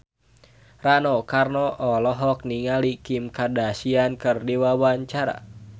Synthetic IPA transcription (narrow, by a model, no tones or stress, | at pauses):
ranɔkarnɔʔɔlɔɦɔk̚niŋalikimkadasiankɨrdiwawaɲt͡ʃaɾa̰